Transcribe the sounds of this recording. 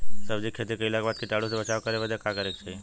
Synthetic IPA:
səbd͡ʒikʰet̪ikəilaɡbaːt̪̚kiʈaɽusebət͡ʃaːʋkəɾeʋəd͡ʒakakəɾeːkt͡ʃʰai

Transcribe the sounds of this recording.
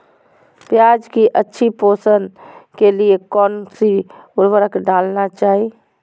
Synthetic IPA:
pjad͡ʒkiʔətːʃʰiposənkeliekɔːnsiulʋəɾəkeɖalnat͡ʃaːɦi

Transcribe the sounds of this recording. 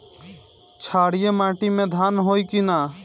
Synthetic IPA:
t͡ʃʰaɽijemãʈimẽd̪ʱanɦojkina

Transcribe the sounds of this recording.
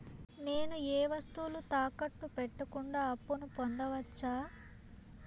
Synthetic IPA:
ne̞ːnueːʋɐst̪ulut̪aːkɐʈːupɛʈːɐkuɳɖaːɐpːunupond̪ɐʋɐt͡ʃːaː

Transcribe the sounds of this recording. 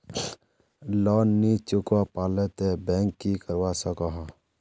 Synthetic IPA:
lɔːnːit͡ʃʊkapaːlet̪ebɛ̃ːŋkːikəɾwasəkɔɦã

